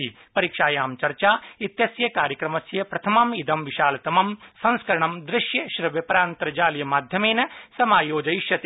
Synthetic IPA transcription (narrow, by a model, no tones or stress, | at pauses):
i | pɐɾiːkʂaːjaːmt͡ʃɐɾt͡ʃaːit̪jɐsjɐkaːɾjɐkɾɐmɐsjɐpɾɐt̪ʰɐmɐmid̪ɐmʋiʃaːlɐt̪ɐmɐmsɐ̃nskɐɾɐɳ̃ɐmd̪ɾɪʃjɐʃɾɐʋjɐpɐɾaːnt̪ɐɾɐd͡ʒaːljɐmaːd̪ʱjɐmeːnɐsɐmaːjoːd͡ʒɐjiʃjɐt̪